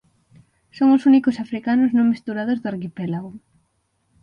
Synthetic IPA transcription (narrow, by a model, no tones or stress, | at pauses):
soŋosunikosafɾikanʊznõŋmist̪uɾaðozðʊaɾkipelaɣo